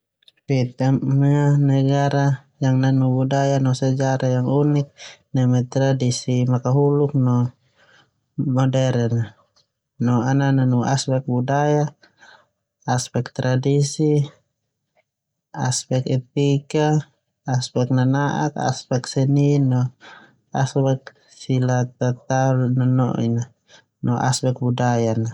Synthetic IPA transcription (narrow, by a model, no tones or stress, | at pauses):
fit̪amanɛɡaɾa | jaŋnanubudajanɔsad͡ʒaɾʔajaŋunik̚nɛmɛt̪ɾadisimakaɦuluk̚nɔ | mɔdɛɾɛn | nɔanananuʔa̰spɛk̚budaja | spɛk̚t̪ɾadisi | aspɛkɛt̪̚ikaː | spɛk̚nanaʔa̰ka̰spɛksɛninɔ | aspɛk̚ | silat̪at̪alnanɔ̰ʔḭna | nɔʔa̰spɛk̚budajana